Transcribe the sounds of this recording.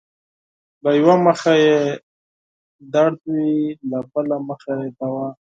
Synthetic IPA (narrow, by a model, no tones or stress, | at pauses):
lajwaməxaje | d̪aɽd̪wilabəlaməxajed̪awa